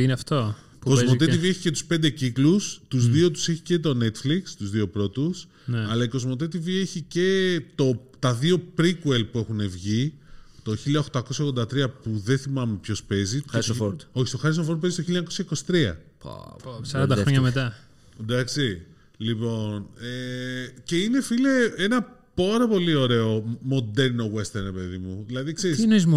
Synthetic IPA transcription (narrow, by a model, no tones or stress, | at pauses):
ineɐft̪o | ko̞zmo̞t̪et̪ivie̞çice̞t̪u̥spe̞nd̪e̞ciklust̪uzðiot̪u̥se̞çice̞t̪o̞ne̞t̪flikst̪uzðio̞pɾo̞t̪us | nɐlɐiko̞zmo̞t̪e̞t̪̬ivie̞çice̞t̪o̞t̪ɐðio̞pɾikuelpue̞xune̞vʝit̪o̞çiliɐoxt̪ɐko̞sçɐoɣðod̪ɐt̪ɾiɐpuðenθimɐmepço̞spe̞zioɾo̞çist̪oxɐɾis̬ofoɾd̪̚pezisto̞çilɐɲɐko̞sçɐiko̞si̥t̪ɾiɐ̰ | sɐɾɐnd̪ɐxɾoɲɐmet̪ɐ | d̪ɐksi | lipo̞nece̞ine̞fileenɐ | poɾɐpo̞lio̞ɾe̞o̞mo̞d̪e̞ɾno̞we̞st̪eɾnɾe̞pe̞ðimuðilɐðikseɾisnoizm